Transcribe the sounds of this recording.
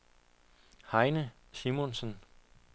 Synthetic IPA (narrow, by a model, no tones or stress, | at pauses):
hɑ̈ɪnəsimonsən